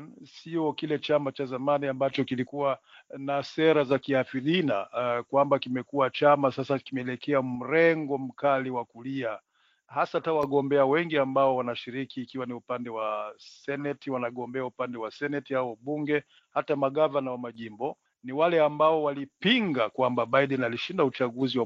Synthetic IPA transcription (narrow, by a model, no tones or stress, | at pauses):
siɔkilɛt͡ʃamat͡ʃazamaniambat͡ʃɔkilikuwanasɛɾazakiafiðinakwambakimɛkuwat͡ʃamasasakimɛɛlɛkʰɛam̩ɾɛŋɡɔm̩kaliwakulia | hasatawaɠɔmbɛawɛŋɡiambaɔwanaʃiɾikiːkiwaniupandɛwasɛnɛtiwanaɠɔmbɛaupandɛwasɛnɛtihaɔɓuŋɡɛ | hatamaɠavanawamaʄimbɔ | niwalɛambaɔwalipiŋɡakwambaɓaiɗɛnaliʃindaut͡ʃaɡuziwa